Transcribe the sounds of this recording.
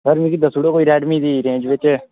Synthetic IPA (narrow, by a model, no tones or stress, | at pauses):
səɾmĩkid̪əsuɽoːkoːiɾɛːʈmiːd̪iːɾẽːnd͡ʒʋɪt͡ʃ